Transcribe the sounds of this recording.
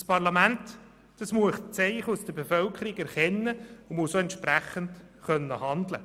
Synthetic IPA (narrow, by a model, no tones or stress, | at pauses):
spʰɑʁlɑmænt | d̥ɑsmuəst͡sɛɪχusd̥əbefœlkʰəɾiɡɛɾχɛnːəʊmʊsoɛntʃpɾæχənt | χœnːəhɑnd̪lə̰